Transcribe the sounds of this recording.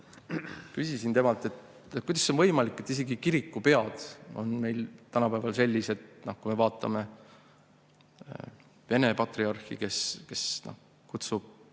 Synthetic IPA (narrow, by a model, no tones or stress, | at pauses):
kysʲisint̪emɑlt̪ːˑe̞t̪ | kujd̪ɑsːonvɤjmɑlikːˑe̞t̪ːise̞ɡikiɾikːupe̞ɑd̪̥o̞̰nme̞jlt̪ænɑpæːvɑlse̞lʲːise̞t̪nohkujme̞vɑːt̪ːˑɑ̰me̞ | ve̞ne̞pɑt̪riɑrxḭke̞ske̞sno̰h | kut̪sub̥̚